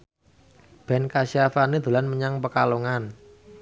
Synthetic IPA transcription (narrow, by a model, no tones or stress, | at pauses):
b̥ɛ̤nkasiafanid̪̥ṳlanməɲaŋpəkaloŋan